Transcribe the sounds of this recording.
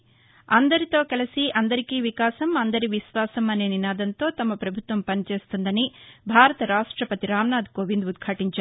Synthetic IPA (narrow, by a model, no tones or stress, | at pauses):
ɐnd̪ɐɾit̪o̞ːkɐlɐsiʔɐnd̪ɐɾikiʋikaːsɐmɐnd̪ɐɾiʋiʃʋaːsɐmːɐneːninaːd̪ɐnt̪o̞ːt̪ɐmːɐpɾɐbʱut̪ʋɐmpɐnit͡ʃe̞ːst̪und̪ɐnibʱaːɾɐt̪ɐɾaːʂʈɾɐpɐt̪iɾaːmnaːd̪koːʋind̪ud̪kʰaːʈiɲt͡ʃaɾ